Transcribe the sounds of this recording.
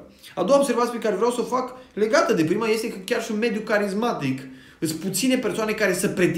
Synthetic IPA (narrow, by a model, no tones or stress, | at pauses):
ad̪o̞waobseɾvat̪sʲipekaɾevɾeawsəfakle̞ɡat̪əd̪e̞pɾimaje̞st̪e̞kəkʲarʃiunme̞d̪jukaɾizmat̪ik | ɨsput̪sine̞pe̞soane̞kaɾe̞səpɾe̞t̪